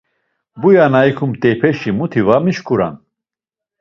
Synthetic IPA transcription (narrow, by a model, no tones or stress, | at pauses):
bujanaikʰumt̪ʼɛpʰɛʃimut̪ʰivamiʃkuɾa̰n